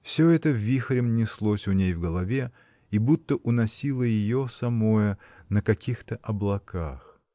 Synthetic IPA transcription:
fsʲɵɛt̪əvʲixɾʲɪmnʲɪslˠosʲʊnʲejvɡəlˠɐvʲe̞ | ibut̪ːəʔʊnɐsʲilˠəjɪjosɐmo̞jə | nəkɐkʲixt̪əʔɐblˠɐkʰax

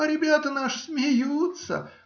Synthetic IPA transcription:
aɾʲɪbʲat̪ənaʂɨsmʲɪjut̪sə̰

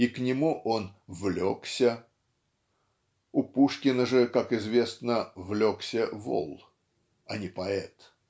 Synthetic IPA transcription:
iknʲɪmuʔonvlʲoksʲə | ʊpuʂkʲɪnəʐɨkakɪzvʲe̞snəvlʲoksʲəvo̰lˠ | ɐnʲɪpɐɛt̪

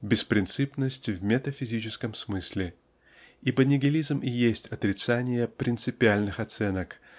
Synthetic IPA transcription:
bʲɪspɾʲɪnt̪sɨpnəsʲtʲvmʲet̪əfʲɪzʲit͡ɕɪskəmsmɨsʲlʲɪ | ibənʲɪɡʲɪlʲizmijesʲtʲɐt̪ɾʲɪt̪sanʲɪjəpɾʲɪnt̪sɨpʲɪalʲnɨxɐt̪sɛnək

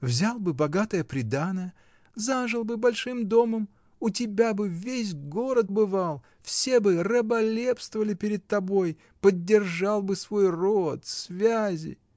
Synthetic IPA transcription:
vzʲalˠbɨbɐɡat̪əjəpɾʲɪd̪anəjə | zaʐɨlˠbɨbɐlʲʂɨmd̪o̞məm | ʊtʲɪbʲabɨvʲes̬ʲɡoɾət̪̚bɨvalˠ | fsʲe̞bɨrəbɐlʲepst̪vəvəlʲɪpʲɪɾʲɪd̪̚t̪ɐbo̞j | pədʲːɪrʐɑlˠbɨsvo̞jrot̪svʲazʲɪ̰

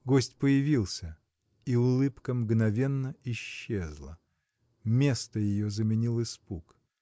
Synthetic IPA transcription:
ɡosʲtʲpəjɪvʲilˠsʲə | iʊlˠɨpkəmɡnɐvʲe̞nːəɪɕːezlˠə | mʲe̞st̪əjɪjozəmʲɪnʲilˠɪspuk

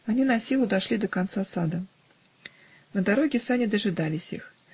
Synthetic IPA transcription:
anʲinɐsʲilˠʊd̪aʂlʲid̪ɐkant̪sasad̪ɐ | nɐd̪aɾɔɡʲɛsanʲid̪ɐʐɨd̪alʲɪsʲix

